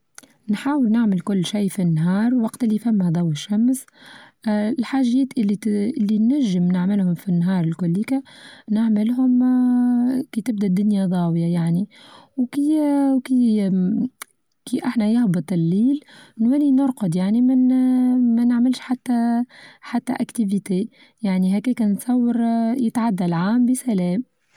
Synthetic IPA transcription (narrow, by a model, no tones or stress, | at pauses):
nħaːwɪlnɪʕmɪlkʊlːʃæjfinːɦɑːɾˤwɑqt̪ʔɪlːifæmːhæd̪ˤɑwːɪʃːæms | lħaːʒɛːt̪ʔɪiʔɪlːinːæʒːəmnɪʕmɪlhʊmfinːɦɑːɾˤɪlkʊlːikænaʕmɪlɦʊm | kiːt̪ɪb̚d̪æʔd̪ːʊnjad̪ˤɑːwjajaʕniwkiwki | kiʔaħnæjɪhbɨt̪ˤɪlːiːlnwælinʊɾqʊd̪ˤjaʕnimɪnmænəʕmɪlʃħat̪ːæħat̪ːæ̰ʔækt̪ivit̪eː | jaʕniɦækikænt̪sˤɑwːəɾjət̪ʕad̪ːælʕaːmbisælɛːm